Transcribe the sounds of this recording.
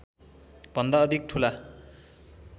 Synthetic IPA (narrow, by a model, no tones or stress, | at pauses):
b̥ʌnd̪ʌːd̪ʱik̚ʈʰula